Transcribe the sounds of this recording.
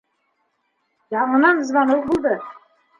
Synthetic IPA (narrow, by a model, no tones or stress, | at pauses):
jɑɴɤ̆nɑnɤ̆zmɑnɤwbulˠd̪ɤ